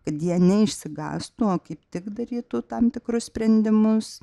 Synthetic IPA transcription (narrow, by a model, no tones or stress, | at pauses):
kɐt̪jiɛnʲɛɪʃʲsʲɪɡɑ̰ːst̪uoːkɐɪpt̪ʲɪkd̪ɐɾʲiːt̪ʊt̪ɐmt̪ʲɪkɾʊssʲpʲɾʲɛnʲd̪ʲɪmʊs